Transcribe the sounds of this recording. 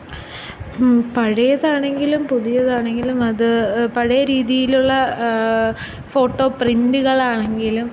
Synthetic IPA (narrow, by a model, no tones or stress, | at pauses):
pɐɻɐjɐðaːɳe̞ŋɡilumpuðijɐðaːɳe̞ŋɡilumɐðɨpɐɻɐjɐɾiːðijiluɭːɐ | fo̞ːʈːo̞ːprinduɣɐɭaːɳeŋɡilum